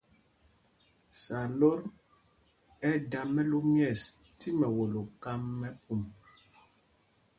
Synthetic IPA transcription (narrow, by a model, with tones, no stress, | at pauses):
sa˨lɔ˦ɾ | ɛ˦da˨mɛ˦lo˦mjɛ˦˨stʰi˦mɛ˨wo˨lo˨ka˦mːɛ˦pʰu˦˨m